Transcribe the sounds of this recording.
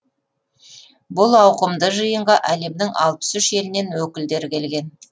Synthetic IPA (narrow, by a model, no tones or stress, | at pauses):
bʊlˠɑwqəmd̪əʒəjəɴʁɑʔæle̞md̪ɪŋʔɑ̰lˠpə̥sʏʃe̞lɪne̞nwɵkʲɪld̪e̞ɾɪkʲe̞lɡʲe̞n